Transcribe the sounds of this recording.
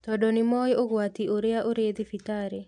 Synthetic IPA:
t̪ɔdɔnɪmɔjoɡwat̪ioɾeaʔoɾed̪ifitaɾe

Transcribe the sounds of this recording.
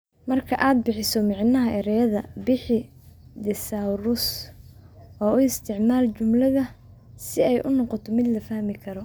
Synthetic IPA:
mɐrkʰɐʔaːd̪̚bɪħɪsɔmɑʕnɐɦɐʔɛɾɛjɐðɐbɪħɪ | d̪ɛsaːwɾʊs | ɔːʊɪst̪ʰɪʕmaːlt͡ʃʊmlɐðɐ | sɪɛjʔʊnɔqɔt̪ʰɔmɪd̪lɐfɐhmɪkʰɐɾɔ

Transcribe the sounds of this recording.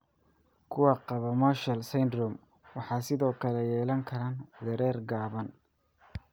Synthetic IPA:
kʰʊwɑqɑβɐmɔʃɐlsɛjnd̪rɔm | wɑħɑːsɪðɔːkʰɐlɛjɛːlɐŋkʰɐɾaːnd̪ɛɾɛːrɡaːβɐn

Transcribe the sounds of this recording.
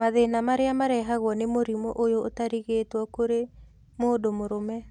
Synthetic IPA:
aðenamaɾeamaɾɛɦaɣwɔnemoɾimoʔojootaɾiɣeːtwɔkoɾe | moːdomoɾomɛ

